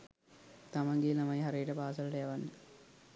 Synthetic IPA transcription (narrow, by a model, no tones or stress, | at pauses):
t̪amaŋɡeːnamɐjɦaɾejəʈəpaːsələʈəjaʋanːə